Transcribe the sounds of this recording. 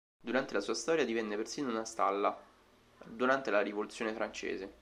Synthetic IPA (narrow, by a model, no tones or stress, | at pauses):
d̪uɾant̪elasuːast̪ɔːɾjad̪ivɛnːepersiːnounast̪a̰lːa | d̪uɾant̪elaɾivolut̪sːjoːnefɾant͡ʃḛːze